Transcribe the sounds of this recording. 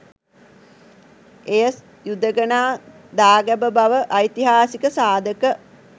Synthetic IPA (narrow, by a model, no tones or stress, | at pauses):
ejəs | jud̪əɡənaː | d̪aːɡæbəbaʋəʔɐjt̪iɦaːsikəsaːd̪əkə